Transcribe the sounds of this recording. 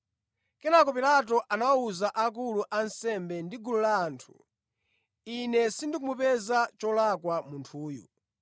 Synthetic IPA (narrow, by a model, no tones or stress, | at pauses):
kɛnakɔpilat̬ɔʔanauzaʔak̬uluʔansɛmbɛndiɡululaːntʰṵ | inɛsindik̬umupɛzat͡ʃɔlakwamuntʰuːjṵ